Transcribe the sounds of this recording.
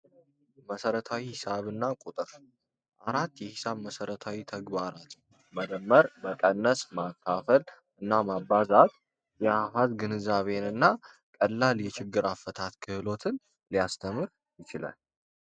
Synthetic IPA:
məsəɾət̪ʰawihɪsaβɨnːakʼut̪ʼɨɾ | ʔaɾat̪ːjɛhisaβməsəɾət̪ʰawit̪ʰəɡβaɾat̪ | məd̪əmːəɾməkʼənːəsmakʰːafəl | ɨnːamabːazat̪ | jɛafazɡɨnɨzaβe̞nɨnːa | kʼəlːaljɛt͡ʃɪɡːɨɾafːət̪ʰat̪kʰɨhɨlo̞t̪ʰɨn | lijast̪ʰəmɨɾ | jɪt͡ʃɪla̰l

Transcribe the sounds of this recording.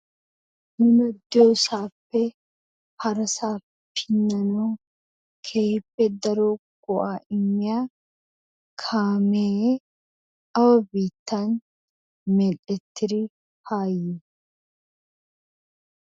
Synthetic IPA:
nʊnɐd̪oːsaːfːɛ | hɐɾɐsaː | pʰːɪnːɐnoː | kʰeːpːɛd̪ɐɾoː | ɡ̥ʊʔaːʔɪmːɪjaː | kʰaːmeː | ɐwɐbiːt̪ːan | mɛlɛt̪ːɪɾi | haːjːɛ

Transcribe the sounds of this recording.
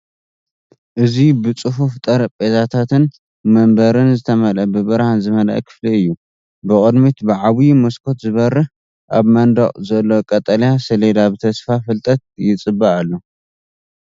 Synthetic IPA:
ʔɨzibɨt͡sʼɨɦuft̪ʼɐɾpʼezat̪ʰat̪ɨn | mɐmbɐɾɨnzɨt̪ʰɐmɐlɐbɨbɨɾhanzɨmɐl̰ʔɐ̰kʰɨ̥fliɨjːu | bɨkʼɨd̪mit̪bɨʕaβujmoskʰo̞t̪zɨβɐrːɨ | ʔaβmɐnd̪ɐχʼzɐlːo̞kʼɐt̪ʼɐljasɐled̪aβɨt̪ʰɐsfafɨlt̪ʼɐt̪̚jɪt͡sʼɨbːaʔalːo

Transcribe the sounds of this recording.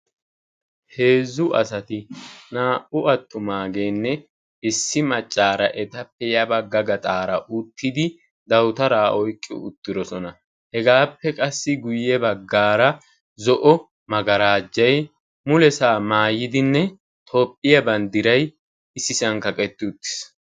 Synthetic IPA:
he̞ːzʊʔɐ̰sɐt̪ɪnaːʔʊɐt̪ːʊmaːɡeːnːɛ | ɪsːɪmɐt͡ʃʼːaːɾɐʔɛt̪ɐpːɛjɐbɐɡːɐɡɐt̪ʼaːɾɐʔʊt̪ːɪd̪ɪ | d̪ɐwt̪ɐɾaːʔɔjkʼːɪ̰ʊ̰t̪ːɪd̪ɔsɔnɐ | hɛɡaːpːɛkʼɐsːɪɡʊjːɛbɐɡːaːɾɐ | zɔʔɔ | mɐɡɐɾaːd͡ʒːɐj | mʊlɛsaːmaːjɪd̪ɪnːɛ | t̪ʰo̞ːpʼːɪjɐbɐnd̪ɪɾɐj | ɪsːɪsɐŋkɐkʼɛt̪ːɪʊt̪ːɪ̥s

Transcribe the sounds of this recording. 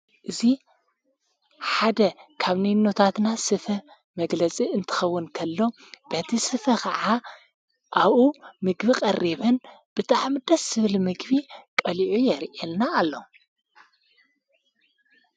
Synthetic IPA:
ʔɨzi | ħad̪ɐkʰaβninːot̪ʰat̪nasɨfɐ | mɐɡlɐt͡sʼiɨnt̪ʰɨ̥xɐwːʊnkʰɐlːo̞ | b̥ɐt̪ʰisɨfɐkʰɐʕa | ʔaβumɨɡbikʼɐrːiβɨn | b̥ɨt̪ʰaʕmɨd̪ɐsːɨβlmɨɡβikʼɐliʕujɛɾʔelnaːlːo

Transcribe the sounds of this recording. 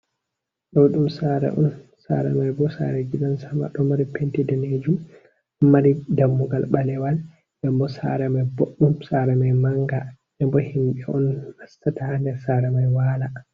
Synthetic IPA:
ɗɔɗumsaːɾɛ̰ʔɔ̰nsa̰ɾamajbɔsa̰ɾɛɡiɗansama̰ɗɔmaɾipentidaned͡ʒum | mːaɾidamːuɡalɓalɛwal | ɗɛmbɔsa̰ɾamajboɗːumsaɾɛmajmaŋɡa | ɛmbɔhimɓɛɔnhastatandɛɾsaɾamajwaːla

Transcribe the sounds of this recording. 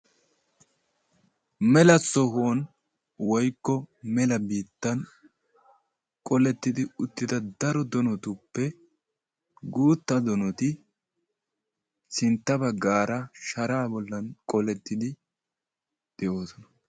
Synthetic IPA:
mɛlɐsɔɦoːn | wɔjkːɔmɛlɐbiːt̪ːɐn | kʼɔlɛt̪ːɪd̪ɪʊt̪ːɪd̪ɐd̪ɐɾɔd̪ɔnɔt̪upːɛ | ɡuːt̪ːɐd̪ɔnɔt̪ɪ | sɪnt̪ːɐbɐɡːaːɾɐʃɐɾaːbɔlːɐnkʼɔlɛt̪ːɪd̪ɪ | d̪̥ɛʔo̞ːsɔnɐ̥

